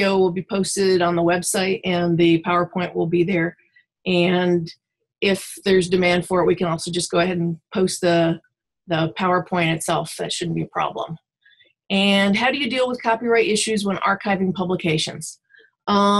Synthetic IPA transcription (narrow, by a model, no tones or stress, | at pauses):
oʊwɪlˠbipʰoʊstɪɾn̩ðəwɛbsaɪɾɨ̃nðɨpʰaʊə˞pʰɔ̃ɪ̃nʔwɪlˠbiðə˞ | ʔɨ̃n | ɪfðə˞zdɨmæ̃nd̥fə˞ɨt̚wikɨ̃nɔlˠsoʊd͡ʒʌsɡ̥oʊɨɦɛɾn̩pʰoʊst̪̚ðɨ | ðəpʰaʊə˞pʰɔ̃ɪ̃ɾ̃ɨtsɛlˠfðɨ̰tʃʊdⁿn̩b̥iɨpʰɹ̥ɑ̰blə̰̃m | ɨ̃nɦaʊɾɨjɨdilˠwəð̥kʰɑpiɹaɪɾɪʃʉzwə̃nʔɑ̰ɹkʰaɪvɪ̃ŋpʰʌbləkʰeɪʃɨ̰̃nz̥ | ʔʌ